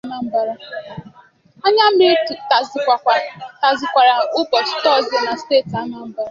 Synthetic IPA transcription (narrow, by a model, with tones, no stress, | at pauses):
ma˨m̩˦ba˦ɾa˦ | a˦ɲa˦m̩˦m˦ɾɪ˦˨tzkʷa˨kʷa˨ta˨zɪ˨kʷa˨ɾa˨ʊ˦bɔ˨stɔ˦˨zɔ˦na˨steː˦˨ta˦ma˨m̩˦ba˦ɾa˦